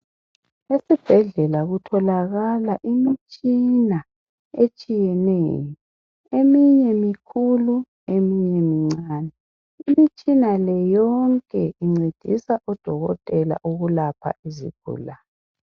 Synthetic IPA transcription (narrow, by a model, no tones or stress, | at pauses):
esib̥ʱɛɮɛlaɣutʰɔlaɣalaʔimit͡ʃʼina | et͡ʃʼijɛnḛːjɔ | emiɲɛmikʰulu | emiɲɛmiŋ͡ǀaːnɛ | imit͡ʃʼinalɛjɔŋkʼɛʔiŋ͡ǀed̥ʱisaʔɔd̥ʱɔɣɔ̰tʼɛla̰ʔuɣulapʰa̰ʔizḭɡ̥ʱṵːla